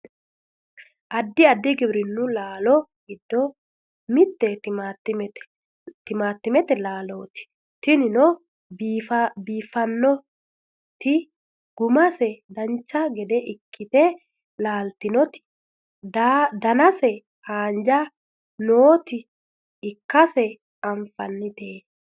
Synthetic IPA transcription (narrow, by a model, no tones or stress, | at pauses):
ʔɐd̪ːɪɐd̪ːɪɡɪbɾɪnːʊlaːlɔɡɪd̪ːɔ | mɪt̪ːɛt̪ɪmaːt̪ːɪmɛt̪ɛ̥ | t̪ɪmaːt̪ːɪmɛt̪ɛlaːloːt̪ɪ̥ | t̪ɪnɪnɔ | fɐbiːfɐnːɔ | t̪ɪ | ɡ̥ʊmɐsɛd̪ɐnt͡ʃːɐɡɛd̪ɛʔɪkʰːɪt̪ɛ | laːlt̪ɪnɔt̪ɪ̥ | d̪ad̪ɐnɐsɛ | haːnd͡ʒa | noːt̪ɪː | kːɐsɛ | ɐɱfɐnːɪt̪eː